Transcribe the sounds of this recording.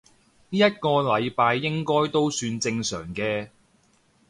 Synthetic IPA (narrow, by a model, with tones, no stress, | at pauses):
niː˥jɐ˥t̚kɔː˧lɐ˨˧jpaː˧jːɪ˥ŋkɔː˥jt̪o˥wsyː˧nt͡sɪ˧ŋsœ̰ː˨˩ŋkɛː˧